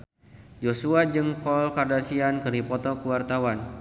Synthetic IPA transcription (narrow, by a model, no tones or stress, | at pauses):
d͡ʒosuad͡ʒəŋkɔlkardasiankəɾipɔt̪ɔkəwart̪awan